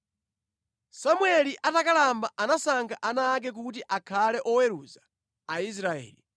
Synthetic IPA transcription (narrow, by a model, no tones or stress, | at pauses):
samwɛliʔatakalambaʔanasaŋkʰaʔanaːk̬ɛk̬ut̬iʔakʰalɛʔɔwɛɾuza | ais̬ɾaɛ̰ːli